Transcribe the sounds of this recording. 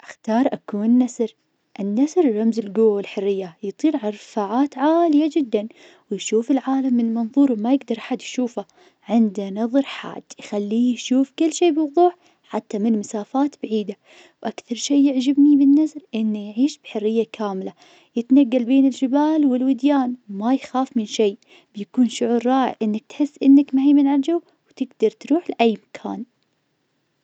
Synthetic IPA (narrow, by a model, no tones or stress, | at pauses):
ʔaxt̪ɑːɾˤʔakuːnnːasɾ | ʔɪnːasɾɾˤɑmzɪlɡoːwlħʊrːɪjːajt̪ˤiːɾʕɾˤɪfaːʕaːt̪ʕaːlɪjad͡ʒɪd̪ːan | wɪjʃuːfɪlʕaːlamːɪnmɑnðˤuːɾˤmːajɪɡd̪ɑɾˤʔħad̪jḁʃuːfa | ʕɪnd̪anɑðˤɾˤħa̰ːd̪jxalːiːjʃuːfkʊlːʃiːbwʊðˤuːʕ | ħat̪ːamɪnmasaːfaːt̪baʕiːd̪a | wʔakθɑɾˤʃeːjɪʕd͡ʒabnibɪnːazɾʔɪnːijʕiːʃb̥ħʊrːɪjːakʰaːmla | jɪt̪naɡːalbeːnɪld͡ʒɪbaːlwɪlwɪd̪jaːnmajxaːfmɪnʃejː | b̥jakuːnʃʊʕuːɾɾˤɑːɪ̰ʕʔɪnːak̚t̪ħɪsːʔɪnːakmahiːmɪnʕaɾd͡ʒaw | wt̪ɪɡd̪ɑɾˤt̪ɾuːħlɪʔajːmakʰa̰ːn